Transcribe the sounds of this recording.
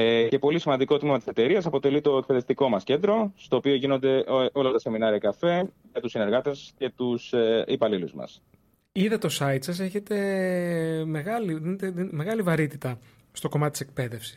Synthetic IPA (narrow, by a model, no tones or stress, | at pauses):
ce̞po̞lisimɐnd̪iko̞t̪mimɐt̪ise̞t̪e̞ɾiɐsɐpo̞t̪e̞lit̪o̞e̞k̚pe̞ðe̞ft̪iko̞mɐsce̞nd̪ɾo̞st̪o̞ːpio̞ʝino̞nd̪e̞ʔʔo̞lɐt̪ɐse̞minɐɾiɐkɐfe̞ʝɐt̪usine̞ɾɣɐt̪esce̞t̪usipɐliluzmɐ̰s | iðɐt̪o̞sɐit̪sɐse̞çe̞t̪e̞ | me̞ɣɐliðinet̪eðime̞ɣɐlivɐɾit̪it̪ɐ | st̪o̞ko̞mɐt̪it̪isek̚pe̞ðe̞fsi̥s